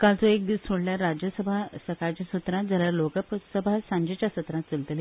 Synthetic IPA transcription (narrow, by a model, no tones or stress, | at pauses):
kalt͡sɔek̚d̪iːssoɽljaɾːad͡ʑjəsəbʱasəɾkaɾt͡ɕasət̪ɾãt̪̚d͡zʱaljaɾlokəpsəbʱasãɲd͡ʑet͡ɕjasət̪ɾãt̪t͡səlt̪li